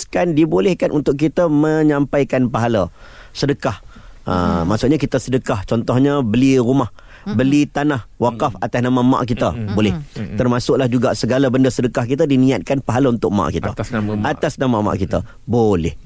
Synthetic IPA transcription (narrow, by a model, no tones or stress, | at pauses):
skandibolɛhkanʔunt̪ʊʔkːit̪əməɲãmpajkanpaɦala | sədəkah | ʔə̰maʔsʊʔɲakit̪əsədəkaht͡ʃɔnt̪ɔhɲəbəliɾumah | bəlit̪anahwakafat̪asnamamã̰ʔkit̪əbolɛht̪ərmasʊʔlahd͡ʒuɡasəɡalabəndasədəkahkit̪adinĩat̪̚kanpaɦalaunt̪ʊʔ̚mã̰ʔkit̪a̰at̪asnamama̰ʔkit̪ə | bolɛh